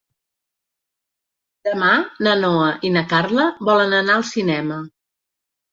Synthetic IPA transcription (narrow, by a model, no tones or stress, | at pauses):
d̪əmanənoəʔinəkarləbɔlənənaəlˠsinɛmə